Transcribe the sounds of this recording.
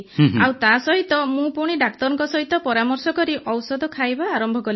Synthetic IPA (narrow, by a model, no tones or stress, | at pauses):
awt̪asɔɦit̪ɔmũpuɽ̃iɖak̚t̪ɔɾɔŋkɔsɔɦit̪ɔpɔɾamɔɾsɔkɔɾiʔɔwsɔd̪ʱɔkʰajbaːɾɔmbʱɔɡɔl